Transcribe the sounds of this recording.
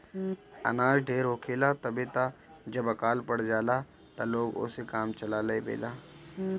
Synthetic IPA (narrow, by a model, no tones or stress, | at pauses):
ɐ̰naːd͡ʒɖʱeːɾɦoːkʰeːlat̪ɐbet̪ad͡ʒɐbɐkaːlpɐɽd͡ʒaːlaː | t̪aloːɡʊ̰sekaːmt͡ʃɐlaːləebḛːlaː